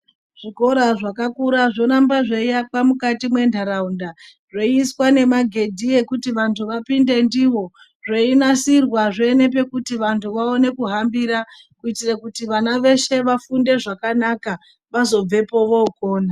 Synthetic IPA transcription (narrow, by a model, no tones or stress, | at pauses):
ʐ̥iko̞ɾaʐakakuɾaʐo̞nambaʐeijak͡pamukatimwe̞ndʱaɾaunda | ʐoiswane̞maɡʱe̞dʱie̞kutiʋantʰuʋapinde̞ndiʋo̞ | ʐeinasirwaʐeːne̞p̬e̞kutiʋantʰuʋao̞ne̞kuɦambiɾa | kuitirakutiʋanaʋe̞ʃe̞ʋafunde̞ʐakanaka | ʋazo̞b͡ve̞po̞ʋo̞uko̞ːna